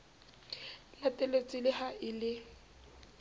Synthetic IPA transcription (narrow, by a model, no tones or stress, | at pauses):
latʼelet͡sʼɪlɪhaʔɪlɪ